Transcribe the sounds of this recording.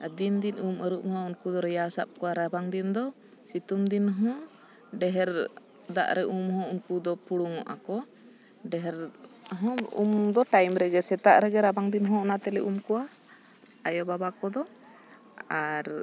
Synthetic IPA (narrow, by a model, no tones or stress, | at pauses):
d̪ind̪inuməɾuʔ̚hɔaunkud̪ɔɾɛjaɾsa̰p̚kɔwaɾabaŋd̪ind̪ɔ | sit̪umd̪inɦɔ̃ | ɖɛɦɛɾ | d̪a̰ʔɾɛʔumɦɔ̃unkud̪ɔpuɽuŋɔʔa̰kɔ | ɖɛɦɛɾ | ɦɔ̃ṵmd̪ɔʈajmɾɛɡɛsɛt̪aʔɾɛɡɛɾabaŋd̪inɦɔ̃ɔnat̪ɛlɛʔumkɔwa | ajɔbabakɔd̪ɔ | aɾ